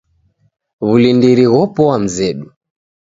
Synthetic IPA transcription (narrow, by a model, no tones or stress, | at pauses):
βulindiɾiɣɔpɔwam̩zɛɗu